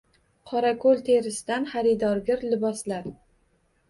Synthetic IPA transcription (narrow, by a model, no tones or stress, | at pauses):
qʰɒɾakʰolˠt̪ʰe̞ɾɪsɪd̪anχaɾɪd̪ɒɾɡʲɪɾlɪbɒslaɾ